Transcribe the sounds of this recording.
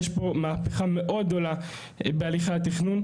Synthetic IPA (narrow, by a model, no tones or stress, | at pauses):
ʃbo̞maːpeχame̞ʔo̞d̪̚ɡdo̞la | bealiχat̪iχnun